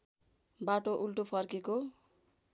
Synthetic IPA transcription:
baʈoʔulʈopʰʌrkeko

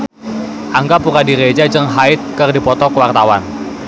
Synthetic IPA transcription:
ʔaŋɡapukadiɾed͡ʒad͡ʒəŋɦaɪt̪̚kərdipɔt̪ɔkəwart̪awan

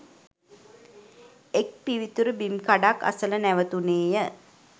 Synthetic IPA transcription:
ek̚piʋit̪uɾəbimkaɖakːa̰sələnæʋət̪uneːjə

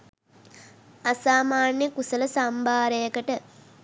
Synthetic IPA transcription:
asaːmaːnjəkusələsambʱaːɾejəkəʈə

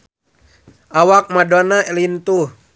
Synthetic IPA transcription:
ʔawak̚madɔnaɛlint̪uh

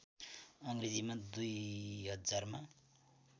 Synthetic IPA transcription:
ʌŋɡrid͡zimad̪ujɦʌd͡zarma

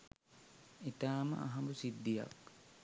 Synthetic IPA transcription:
it̪aːmə̰ʔa̰ɦɐmbusid̪ːija̰k

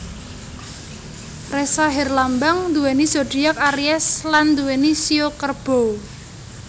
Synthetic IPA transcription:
resaɦɛrlambaŋnd̪uwɛnisoɖ̥i̤jak̚aɾiɛsland̪uwɛnisiokərb̥o̤

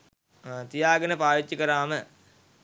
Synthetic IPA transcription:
t̪ijaːɡənəpaːʋit͡ʃːikəɾaːmə

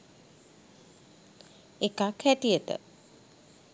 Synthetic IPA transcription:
ekakhæʈijət̪ə̰

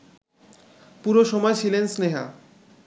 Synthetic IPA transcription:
puɾoʃɔmɔet͡ɕʰilensneɦa̰

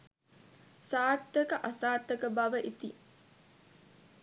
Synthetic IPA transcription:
saːt̪ːəkəʔasaːt̪ːəkəbɐʋəʔit̪i

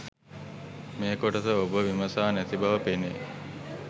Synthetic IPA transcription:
meːkoʈət̪əobəʋiməsaːnæt̪ibaʋəpene

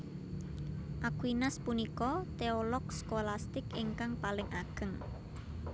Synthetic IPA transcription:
ʔakwinaspunikɔt̪eolɔkskolast̪ɪkiŋkaŋpalɪŋʔaɡ̥əŋ

